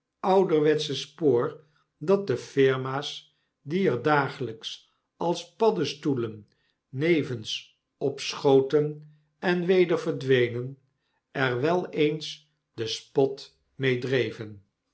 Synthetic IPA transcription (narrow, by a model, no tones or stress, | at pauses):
ɑwdəɹʋɛtsəspoːɹ | dɑt̚dəfɪɹmaːs | diəɹdaːχələks | ɑlˠspɑdəstulənː | ejvəns | ɔpsχowtən | ɛnʋejdəɹvəɹdʋejnən | ɛɹʋɛlˠejns | dəspɔt | mejdrejvən